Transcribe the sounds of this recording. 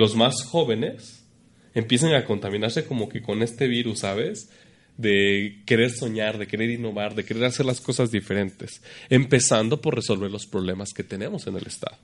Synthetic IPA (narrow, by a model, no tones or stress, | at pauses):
lo̞zmasxo̞βe̞ne̞s | e̞mpje̞s̬eŋako̞nt̪amĩnaɾse̞ko̞mo̞ke̞ko̞ne̞st̪e̞βiɾusːaβe̞z | ðe̞ke̞ɾe̞ɾso̞ɲaɾðe̞ke̞ɾe̞ɾinːo̞βaɾðe̞ke̞ɾe̞ɾase̞ɾlasko̞sazðife̞ɾe̞nt̪e̞se̞mpe̞sand̪o̞po̞re̞so̞lβe̞ɾlo̞spɾo̞β̞le̞maske̞t̪e̞ne̞mo̞se̞ne̞le̞st̪a̰ðo